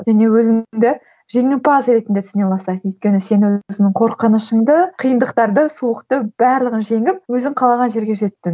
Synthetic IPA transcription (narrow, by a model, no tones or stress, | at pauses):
ʒæne̞wɵzɪd̪ɪ | ʒe̞ŋɪmpɑzɾe̞t̪ɪnd̪e̞t̪ʰɪznelˠɑsɑd̪ʏjt̪̚kʲe̞nɪse̞nwɵzɪnɪŋqʰo̞ɾqənəʃəɴd̪əqʰijənd̪əqt̪ɑɾd̪əsuwəqt̪əb̥æɾlˠəʁənʒe̞ŋɪp̚wɵzɪŋqʰɑlˠɑʁɑnʒe̞ɾɡʲe̞ʒe̞t̪ːɪn